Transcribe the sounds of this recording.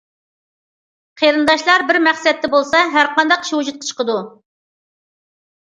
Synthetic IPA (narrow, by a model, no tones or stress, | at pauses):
qʰeɾɨnd̪ɑʃlˠɑɾbɪɾmæχsɛt̪ːɛbolˠsɑɦæɾqɑnd̪ɑqi̥ʃwud͡ʒut̪̚qʰə̥t͡ʃʰə̥qʰəd̪u